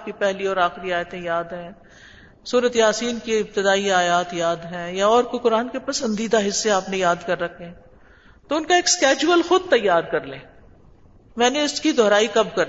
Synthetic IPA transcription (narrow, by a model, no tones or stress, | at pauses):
p̚kipɛɦliɔːɾaːxɪɾiaːjət̪ẽjaːd̪ɦɛ̃ː | suːɾət̪eɦaːsiːnkeɪb̚t̪ɪd̪aːiaːjaːt̪jaːd̪ɦɛ̃ːjaɔːɾkokʊɾaːnkepɐsə̃nd̪iːd̪aɦɪsːeaːpnejaːd̪kɐɾːɐkʰːẽɦɛ̃ | t̪oʊnkaeːkskɛːd͡ʒuəlxʊd̪̚t̪ɐjːaːɾkɐɾlḛ̃ː | mɛ̃ːneʊskid̪ʱɔːɾaːikɐb̚kɐɾ